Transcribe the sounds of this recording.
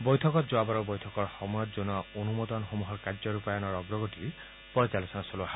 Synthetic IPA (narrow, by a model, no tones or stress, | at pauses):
bɔjtʰɔkɔt̪zoabɔɹɔbɔjtʰɔkɔɹxɔmɔjɔt̪̚zonɔonumod̪ɔnxomuɦɔɹkazɔɹupajɔnɔɹɔɡɹɔɡotiɹ | pɔjt͡ʃalɔsɔnasoloaɦa